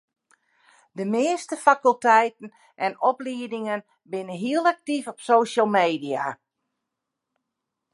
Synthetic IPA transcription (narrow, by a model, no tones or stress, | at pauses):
dəmɪːstəfakəlˠtɛjtn̩ | ʔɛnɔpliədɪŋən | bɪnəɦiəlˠak̚tifɔpsoːʃəlˠmeːdia̰